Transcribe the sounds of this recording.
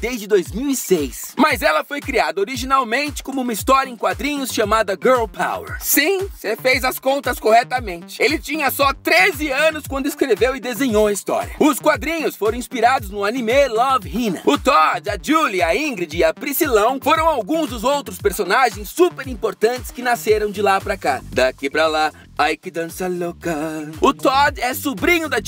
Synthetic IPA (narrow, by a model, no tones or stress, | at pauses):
d̪ezd͡ʒɪd̪ojzmiwisejsmɐzɛlɐfojkɾiad̪ɐoɾiʒinawmẽnt͡ʃɪ̥kõmʊũmɐist̪ɔɾjɐẽkwad̪ɾĩɲʊsʃamad̪ɐɡɛɾlpʰa̰wḛɾsĩsefejzɐskõnt̪ɐskohɛt̪ɐmẽnt͡ʃɪ̥elɪt͡ʃĩɲɐsɔt̪ɾezɪɐ̃nʊskwɐ̃nd̪ʊiskɾevewɪd̪ezẽɲowɐist̪ɔ̰ɾjɐ̰ʊskwad̪ɾĩɲʊsfoɾɐ̃w̃ĩspiɾad̪ʊznʊanimelɔvhĩnɐʊt̪ɔd̪ɐd͡ʒuliɐĩɡɾid͡ʒɪɐpɾisilɐ̃w̃foɾɐ̃w̃awɡũzd̪ʊzowt̪ɾʊspeɾsonaʒẽj̃sːupeɾĩpoɾt̪ɐ̃nt͡ʃɪ̥skɪnaseɾɐ̃w̃d͡ʒɪlapɾakad̪akipɾɐla | ajkɪd̪ɐ̃sɐlokaʊt̪ɔd̪ɛsubɾĩɲʊd̪ɐ